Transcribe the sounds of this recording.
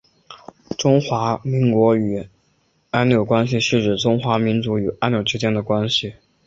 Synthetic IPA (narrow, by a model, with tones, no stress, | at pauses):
ʈ͡ʂʊ˥ŋxwa˧˥mi˧˥ŋkwɔ˧˥y˨˩ | a˥nnjo˨˩ʊkwa˥nɕ̬i˨˧ʂɻ̩˥˧ʈ͡ʂɻ̩˥˩ʈ͡ʂʊ˥ŋxwa˧˥mi˧˥nt͡su˧˥y˨˩ʔa˥njo˨˩ʊʈ͡ʂɻ̩˥t͡ɕjɛ˥nd̪ə˨kwa˥nɕi˨˩